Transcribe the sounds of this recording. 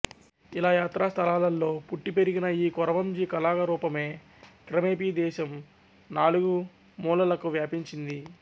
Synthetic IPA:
ilaːjaːt̪ɾaːst̪ʰɐlaːlɐlːo̞ːpuʈːipe̞ɾiɡinɐiːkɔɾɐʋɐmd͡ʒiːkɐlaːɡɐɾuːpɐme̞ː | kɾɐmeːpiːd̪ɛːʃɐm | naːluɡu | muːlɐlɐkuʋjaːpiɲt͡ʃind̪i

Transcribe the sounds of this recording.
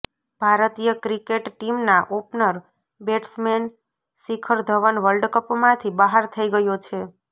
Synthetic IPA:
bʱaɾət̪ijəkɾikeʈʈimnaʔopnəɾ | beʈsmen | sikʰəɾd̪ʱəʋənʋəlɖkəpmãt̪ʰibəɦaɾt̪ʰəiɡəjot͡ʃʰe

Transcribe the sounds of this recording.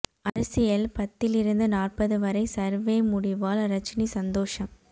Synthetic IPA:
ɐɾɐsɪjɐlpɐt̪ːɪlɪɾɯnd̪ɐnaːrpɐðɯʋɐɾɐɪsɐɾʋeːmʊɽɪʋaːlɾɐt͡ʃːnisɐnd̪oːʂɐm

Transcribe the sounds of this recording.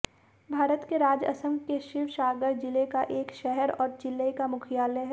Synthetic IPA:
bʱaːɾət̪keɾaːd͡ʒə̰sə̃mɡkeʃɪʋʃaːɡəɾd͡ʒɪlekaʔeːkʃɛɦɛɾɔːɾd͡ʒɪlːəkamʊkʰijaːleɦɛ

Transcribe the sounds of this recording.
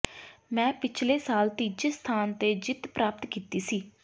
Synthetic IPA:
mɛ̃ːpɪt͡ʃʰleːsaːlt̪iːd͡ʒest̪ʰaːnt̪eːd͡ʒɪt̪pɾaːpət̪kiːt̪iːsiː

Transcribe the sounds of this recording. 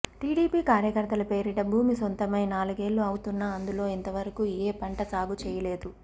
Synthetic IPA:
ʈiːɽiːpiːkaːɾjɐkɐɾt̪ɐlɐpe̞ːɾiʈɐbʱuːmisont̪ɐmɐjnaːluɡe̞ːlːuɐwut̪unːaːnd̪ulo̞ːint̪ɐʋɐɾɐkuːeːpɐɳʈɐsaːɡut͡ʃɛːjɐle̞ːd̪u

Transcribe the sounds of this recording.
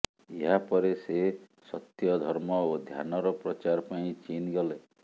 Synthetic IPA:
eɦapɔɾese | sɔt̪jɔd̪ʱɔɾmɔod̪ʱja̰nɔɾɔpɾɔt͡ʃaɾpaĩt͡ʃinɡɔle

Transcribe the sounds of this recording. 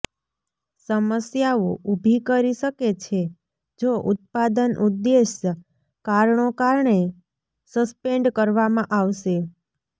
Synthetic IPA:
səməsjaoʔubʱikəɾiʃəket͡ʃʰe | d͡ʒoʔʊt̪̚pad̪ənʔud̪ːeʃə | kaɾɳokaɾɳe | səspeɳɖkəɾʋamãʔaʋʃe

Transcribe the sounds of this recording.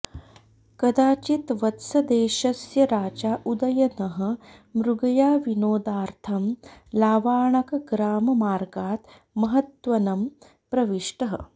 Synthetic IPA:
kɐd̪aːt͡ʃit̪ʋɐt̪sɐd̪eːʃɐsjɐɾaːt͡ʃaːʔud̪ɐjɐnɐɦɐ̆mɾuɡɐjaːʋinoːd̪aːɾt̪ʰɐmlaːʋaːɳɐkɐɡɾaːmɐmaːɾɡaːt̪ | mɐɦɐt̪ʋɐnɐm | pɾɐʋiʂʈɐɦɐ̰̆

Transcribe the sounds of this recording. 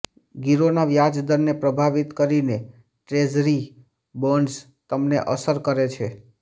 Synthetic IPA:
ɡiɾonaʋjad͡ʒd̪əɾnepɾəbʱaʋit̪kəɾine | ʈɾezɾi | bəɳs | t̪əmneʔəsəɾkəɾet͡ʃʰe

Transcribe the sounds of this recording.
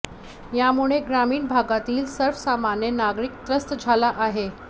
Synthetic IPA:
jamuɭeɡɾamiːnbʱaɡat̪iːlsəɾfsamanjənaɡɾikt̪ɾəst̪əd͡zʱalaʔaɦe

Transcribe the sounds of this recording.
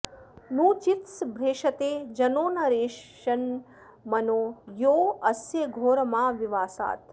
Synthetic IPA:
nuːt͡ʃit̪sbʱɾeːʃɐt̪eːd͡ʒɐnoːnɐɾeːʃ | ɐn | mɐnoːjoːɐsjeɡʱoːɾɐmãːʋiʋaːsa̰ːt̪

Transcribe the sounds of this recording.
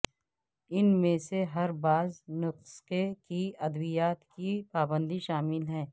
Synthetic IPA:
ɪnmẽseɦɐɾbaːznʊqskekiɐd̪bijaːt̪kipaːbə̃nd̪iʃaːmɪlɦɛ̃ː

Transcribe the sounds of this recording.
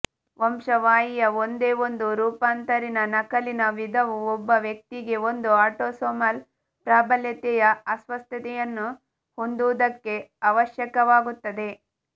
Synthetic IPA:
ʋɐmʂɐʋaːjijɐo̞nd̪e̞ːo̞nd̪uɾuːpaːnt̪ɐɾinɐnɐkɐlinɐʋid̪ʱɐʋuɔbːɐʋjɐk̚t̪iɡe̞o̞nd̪uaːʈoːsoːmɐl | pɾaːbɐljɐt̪ɛjɐɐsʋɐst̪ɐt̪ɛjɐnːu | ho̞nd̪uʋd̪ɐkːe̞ɐʋɐʃjɐkɐʋaːɡut̪ːɐd̪e̞

